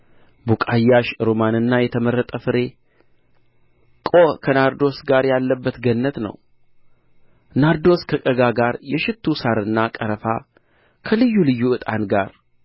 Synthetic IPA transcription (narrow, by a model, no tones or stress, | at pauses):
bukʼajːaʃɾomanɨnːajɛt̪ʰəməɾːət̪ʼəfɨɾe | kʼo̞kʰənaɾd̪o̞sɡaɾjalːəbːət̪ɡənːət̪nə̰w | naɾd̪o̞skʰəkʼəɡaɡaɾjɛʃɪt̪ʰːusaɾɨnːakʼəɾəfa | kʰəlɨjːulɨjːuɨt̪ʼanɡaɾ